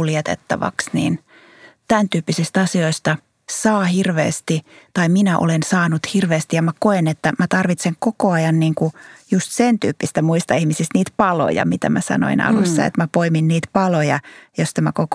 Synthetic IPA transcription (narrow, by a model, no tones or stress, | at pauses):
uljet̪ḛt̪ːɑ̰ʋɑ̰ksnḭːn | t̪ænt̪yːpːisist̪ɑsioist̪ɑ | sɑːhirʋḛːst̪it̪ɑiminæʔo̰lensɑːnut̪hirʋeːst̪ijɑmækoenet̪ːæmæt̪ɑrʋit̪seŋkokoɑjɑnniːŋkujust̪sent̪yːpːist̪æmuist̪ɑihmisist̪niːt̪pɑlo̰jɑ̰mit̪æ̰mæsɑ̰no̰inɑ̰lusːɑ̰ḛt̪mæpoiminniːt̪pɑlojɑ̰jost̪æmækok